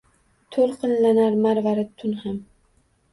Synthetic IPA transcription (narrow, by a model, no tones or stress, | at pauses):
t̪ʰolˠqɨnlanaɾmaɾvaɾɪt̪ʰʊnham